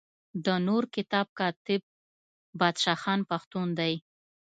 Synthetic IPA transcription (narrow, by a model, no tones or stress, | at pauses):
d̪ənoɾkɪt̪ɑb̚kɑt̪ɪb̚ː | ɑd̪ʃɑxɑnpaxt̪und̪aj